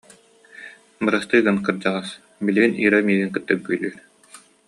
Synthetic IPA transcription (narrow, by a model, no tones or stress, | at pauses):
bɯɾast̪ɯjɡɯnkɯɾd͡ʑaʁas | biliɡinḭːɾamiːɡiŋkɯt̪ːɯk̚byjlyːɾ